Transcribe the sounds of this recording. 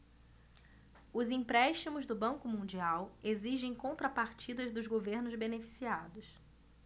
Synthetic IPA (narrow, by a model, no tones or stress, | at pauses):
ʊzĩpɾɛʃt͡ʃimʊzd̪ʊbɐ̃kʊmũnd͡ʒiaweziʒẽj̃kõnt̪ɾɐpaɾt͡ʃid̪ɐzd̪ʊzɡoveɾnʊzbenefi̥siad̪ʊs